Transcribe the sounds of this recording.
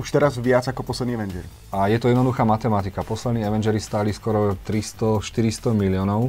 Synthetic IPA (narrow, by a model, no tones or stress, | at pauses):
uʃt̪ɛɾazʋɪat͡sakɔpɔslɛd̪niɛʋɛnd͡ʒɛɾi | ajɛt̪ɔjɛd̪nd̪uxaːmat̪ɛmat̪ikapɔslɛd̪niːɛʋɛnd͡ʒɛɾist̪aːliskɔɾɔt̪ɾist̪ɔʃt̪iɾist̪ɔmilɪɔnɔʊ